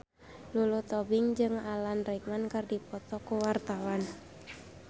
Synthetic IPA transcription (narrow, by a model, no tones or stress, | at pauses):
lulut̪ɔbiŋd͡ʒɨŋalanrɛk̚mankɨrdipɔt̪ɔkuwart̪awan